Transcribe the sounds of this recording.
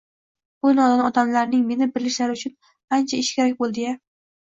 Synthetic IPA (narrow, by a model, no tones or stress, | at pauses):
onɒd̪anɒd̪amlaɾnɪŋme̞nɪbɪɾlɪʃlaɾɪʊt͡ʃʰʊn | ant͡ʃʰaɪʃkʲaɾak̚ʲbolˠd̪ɪja